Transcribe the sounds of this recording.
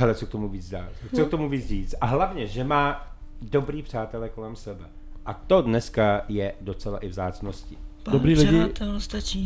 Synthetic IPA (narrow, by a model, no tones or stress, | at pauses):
ɦɛlɛt͡sok̚t̪o̞muviːt͡szdaːt͡sok̚t̪o̞muviːt͡sriːt͡st̪ʔaɦlavɲɛʒɛmaː | do̞bɾiːpr̝̥aːt̪ɛlɛko̞lɛmsɛbɛ | ʔat̪o̞dnɛskajɛdo̞t͡sɛla̰ʔɪvzaːt͡snoscɪ | dobɾiːlɪɪt̪ɛst̪at͡ʃi